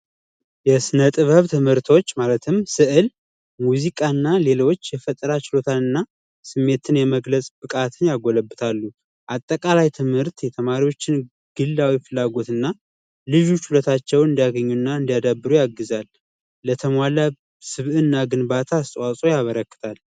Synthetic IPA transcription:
jɛsɨnət̪ʼɨβəβt̪ʰɨmhɨɾt̪ʰo̞t͡ʃːmalət̪ʰɨmsɨʔɨl | muzikʼanːale̞lo̞t͡ʃːjɛfət̪ʼɾat͡ʃɪlo̞t̪ʰanɨnːa | sɨmːe̞t̪ʰɨnjɛməɡləsʼbɨkʼat̪ʰɨnjaɡoləbːɨt̪ʰalːu | ʔat̪ʼːəkʼalajt̪ʰɨmhɨɾt̪jɛt̪ʰəmaɾiwo̞t͡ʃːɪn | ɡ̥ɨlːawifɨlːaɡo̞t̪ɨnːa | lɨʒut͡ʃːhulət̪ʰat͡ʃːɛwɨnd̪ijaɡəɲːunːaɨnd̪ijad̪abːɨɾujaɡːɨzalː | ət̪ʰəmwala | sɨβʔɨnːaɡɨnbat̪ʰaːst̪ʼwasʼo̞jaβəɾəkːɨ̥t̪ʰal

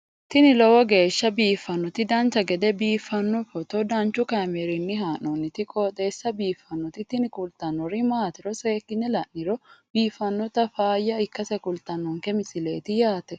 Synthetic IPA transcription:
t̪ɪnɪlɔwɔɡe̞ːʃːɐbiːfːɐnːɔt̪ɪd̪ɐnt͡ʃɐɡɛd̪ɛbiːfːɐnːɔfɔt̪ɔd̪ɐnt͡ʃʊkamɛɾɪnːɪɦaːnɔnːɪt̪ɪkʼoːt̪ʼe̞ːsːɐbiːfːɐnːɔt̪ɪt̪ːɪnɪkʊlt̪ɐnːɔɾimaːt̪ɪɾɔseːkːɪnːɛlɐnnɪɾɔbiːfːɐnːɔt̪ɐfaːjːɐɪkːɐsɛkʼʊlt̪ɐnːɔŋkɛmɪsɪleːt̪ɪjaːt̪ɛ

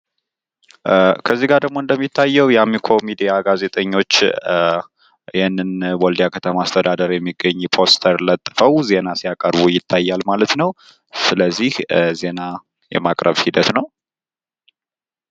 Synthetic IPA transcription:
kʰəzːiɡaɾd̪əɡ̚mo̞ɨnd̪əmːit̪ʰːajːɛwjamikʰo̞mid̪ijaɡaze̞t̪ʼəɲːo̞t͡ʃː | ɪhɪnːɨnwold̪ijakʰət̪ʰəmaast̪ʰəd̪ad̪əɾjɛmːiɡːəɲːpʰo̞st̪ʰəɾlət̪ʼːɨfəwze̞nasijakʼəɾβujɪt̪ʰːajːalmalət̪nəw | sɨləzːihze̞na | jɛ̰makʼɾəβhid̪ət̪nəw

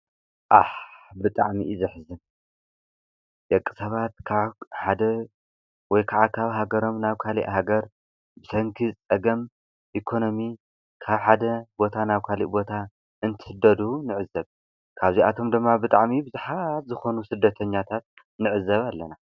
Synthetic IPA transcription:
ʔaħbɨt̪ʼaʕmḭʔzɨħzɨn | j̪ɐkʼːɨ̥sɐβat̪̚kʰaβħad̪ɐ | wɔjkʰaʕakʰaβɦaɡɐɾo̞mnaβkʰalḭʔɦaɡɐɾ | bɨsʰɐŋkʰit͡sʼɐɡɐm | ʔikʰo̞no̞mi | kʰaβħad̪ɐbo̞t̪ʰanaβkʰalḭʔbo̞t̪ʰa | ɨnt̪ʰɨ̥hɨd̪ɐd̪unɨʕɨzɐβ | kʰaβzia̰t̪ʰo̞md̪ɨmːabɨt̪ʼaʕmibɨzuħat̪zɨxo̞nusɨd̪ːɐt̪ʰɐɲːat̪ʰat̪̚ | nɨʕɨzːɐβalːɐna

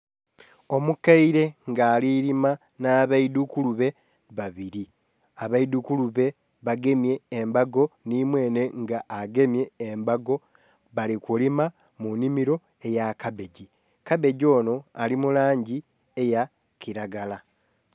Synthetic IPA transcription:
o̞mukaiɾe̞ŋɡaːliɾima | naːβaidukuluβe̞ | βaβiɾi | aβaidukuluβe̞ | βaɡe̞mje̞ːmbaɡo̞nimwe̞ːne̞ŋɡaʔːɡe̞mje̞ːmbaɡo̞ | βalikulima | munimiɾo̞ | e̞jakaβe̞ɟi | kaβe̞ɟo̞ːno̞alimulaːɲɟi | eja | kiɾaɡala

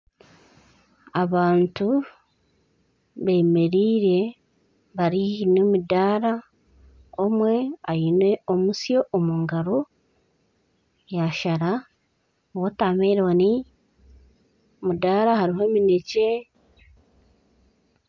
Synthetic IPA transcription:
aβaːntu | βe̞ːme̞ɾiːɾe̞ | βaɾiinomidaːɾa | omwe̞ajinweomusjo̞ʔomuŋɡaɾo̞ | jaʃaɾa | wotaːmeːɾewani | mudaːɾaɦaɾiɦo̞minece

